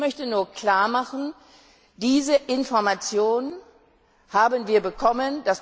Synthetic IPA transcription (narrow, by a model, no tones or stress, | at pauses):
mœçtənuːɐkʰl̥aːɐmaχn̩ | d̥iːzəʔɪnfɔɐmat͡sjoːnə | haːbənviːɐbəkʰɔmənd̥as